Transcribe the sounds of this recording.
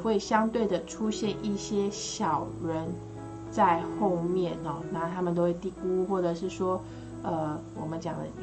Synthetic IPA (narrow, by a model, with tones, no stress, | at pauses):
we˥˩ɪɕjɑ˥ŋt̪we˥˩ɪd̪ə˩ʈ͡ʂʰu˦˥ɕjɛ˥˧ni˥˩ɕjɛ˥ɕjɑ˨˩ʊɻə˨˦n | t͡sa˥˧ɪxo˥˧ʊmjɛ˥˨nɔ˨˩na˥˧t̪ʰa˥mə˨nt̪o˥ʊwe˥˧ɪt̪i˥˩ku˦xwɔ˥˩ʈ͡ʂɤ˨˩ʂɻ̩˥˩ʂwɔ˥ | ə˧wɔ˨˩mə˨˦nt͡ɕjɑ˨ŋd̪ə̰˧